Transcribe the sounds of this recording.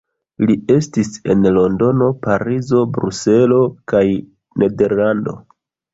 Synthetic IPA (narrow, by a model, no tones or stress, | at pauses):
lie̞stise̞nlo̞ndo̞no̞paɾizo̞bɾuse̞lo̞kaj | nʔe̞de̞ɾlando̞̰